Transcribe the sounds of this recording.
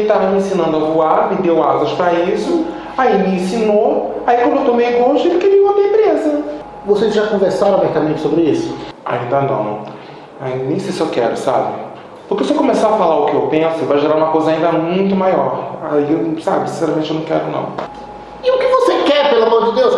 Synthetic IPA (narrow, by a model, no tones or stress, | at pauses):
t̪avɐmɪẽsĩnɐ̃d̪ʊɐvuaɾmɪd̪ewazɐʃpɾɐisʊ | aimɪẽsinoaikwɐ̃d̪ʊewt̪õwmejɡoʒɪelɪkɪɾiɐd̪ẽp̪ɾezɐ | vosezʒakõveɾsaɾɐ̃w̃mɛk̪ɐmẽnt͡ʃɪ̥sobɾɪisʊa̰ĩnd̪ɐnɐ̰̃w̃ | aĩd̪ɐnẽj̃sesewkɛ̰ɾʊsa̰bɪ̰ | pʊɾkesɪewkomesaɐfalaɾʊkɪewpẽsʊewvajʒeɾaɾũmɐkojzɐaĩd̪ɐmũj̃t̪ʊmajɔɾaisa̰bɪsĩsɛɾɐmẽtt͡ʃɪewnɐ̃w̃kɛ̰ɾʊnɐ̰̃w̃ | ɪʊkɪvosekɛɾpelʊamoɾd͡ʒɪd̪ews